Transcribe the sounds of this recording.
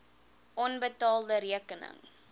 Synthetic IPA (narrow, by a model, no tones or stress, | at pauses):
ʔɔnbətɑːlˠdəɾiəkənə̰ŋ